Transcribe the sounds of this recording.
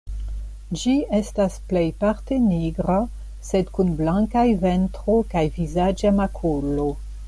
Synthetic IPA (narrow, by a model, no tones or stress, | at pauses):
d͡ʒie̞stasple̞jpaɾte̞niɡɾa | sedkunblaŋkajventɾo̞kajvizad͡ʒamakʰolo